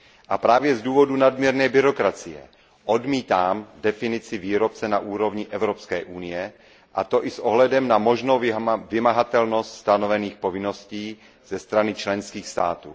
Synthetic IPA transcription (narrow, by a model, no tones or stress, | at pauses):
ʔapɾaːvjɛzduːvo̞dunadmjɛɾnɛːbɪɾokɾat͡sɪjɛ̰ | ʔo̞dmiːt̪aːmdɛfɪnɪt͡sɪviːɾop̚t͡sɛnaʔuːɾo̞vɲɪʔɛvɾopskɛːʔunɪjɛ | ʔat̪o̞ʔɪsʔoɦlɛdɛmnamo̞ʒnowvɪmaɦat̪ɛlno̞st̪st̪anovɛniːxpovɪno̞sciː | z̥ɛst̪ɾanɪt͡ʃlɛnskiːxst̪a̰ːt̪ṵː